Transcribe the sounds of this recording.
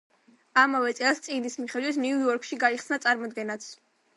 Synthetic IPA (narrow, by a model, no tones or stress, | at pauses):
amavɛt̪sʼɛlˠst̪sʼiɡnismiχɛd̪wit̪ʰniujɔɾkʰʃiɡaiχsnat̪sʼaɾmɔd̪ɡɛnat̪sʰ